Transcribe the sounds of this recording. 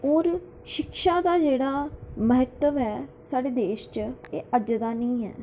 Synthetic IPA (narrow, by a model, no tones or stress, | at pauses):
ɦoːɾ | ʃɪkʃaːd̪aːd͡ʒeːɽaːməɦət̪ːəʋɛː | saːɽeːd̪eːʃt͡ʃeːʔəd͡ʒd̪aːnĩːɦɛ̰ː